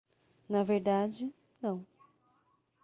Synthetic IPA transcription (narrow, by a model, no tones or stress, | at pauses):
nɐveɾd̪ad͡ʒɪ | nɐ̃w̃